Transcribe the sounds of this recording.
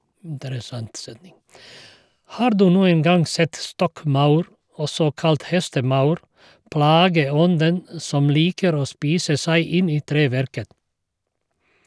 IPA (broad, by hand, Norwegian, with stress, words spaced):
ˈhɑːɾ ˈdʉː ˈnuːəŋ ˈɡɑŋ ˈsɛt ˈstɔkˌmɑʉɾ ˈɔsɔ ˈkɑlt ˈhɛstəˌmɑʉɾ ˈplɑːɡəˌɔndən ə ˈsɔm ˈliːkəɾ ˈoː ˈspiːsə ˈsæɪ ˈɪn ˈiː ˈtɾeːˌʋæɾkət